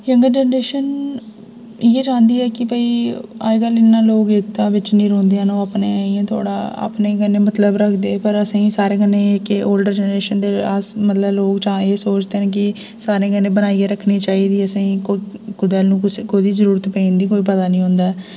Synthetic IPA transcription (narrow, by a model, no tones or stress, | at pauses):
jəŋɡəɾd͡ʒɛːnɾeːʃən | ɪeːd͡ʒãːnd̪iːɛːkɪpəiːa̰ːɡəlɪnːãːloːkɪt̪ːãːʋɪt͡ʃnĩːɾõːnd̪ejãːnõːapneːiãːt̪ʰo̰ːɽa̰ːa̰ːpneːkənːeːmət̪ləbɾəkʰd̪eːpəɾəsãiːsaːɾeːkənːẽːkoːlɖəɾd͡ʒɛːnɾeːʃənd̪eːasmət̪ləbloːkt͡ʃaːeːsoːt͡ʃd̪eːnẽːk̬ɪ | saːɾẽːkənːẽːbənaːieːɾəkʰniːt͡ʃaːiːd̪iːəsãikokʊd̪ɛːlnũːkskoːid̪iːzəɾuːɾət̪pẽːnd̪iːk̬oːiːp̬ət̪aːnĩːɦõːnd̪aːɛ